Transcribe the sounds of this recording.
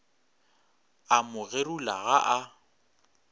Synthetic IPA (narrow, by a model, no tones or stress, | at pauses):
amʊɣerulaɣaʔa